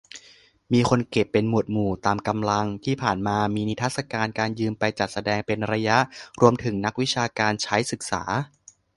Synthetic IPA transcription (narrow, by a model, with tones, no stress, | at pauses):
miː˧kʰo˧nke˨˩pːe˧nmu˨˩ət̪̚muː˨˩t̪aː˧mka˧mla˧ŋt̪ʰiː˥˩pʰaː˨˩nmaː˧miː˧ni˦˥t̪ʰa˦˥t̪̚sa˧kaː˧nkaː˧njɯː˧mpa˧jt͡ɕa˨˩t̪̚sa˧dɛː˧ŋpe˧nɾa˧ja˦˥ʔɾu˧əmt̪ʰɯ˩˦ŋna˦˥k̚wi˦˥t͡ɕʰaː˧kaː˧nt͡ɕʰa˦˥jsɯ˨˩k̚sa̰ː˩˦